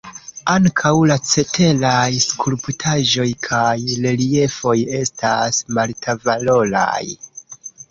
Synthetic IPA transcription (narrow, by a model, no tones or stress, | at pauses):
aŋkʰawlat͡se̞tʰe̞lajskulputʰaʒo̞jkʰajle̞lie̞fo̞je̞stasmaltʰavalo̞la̰j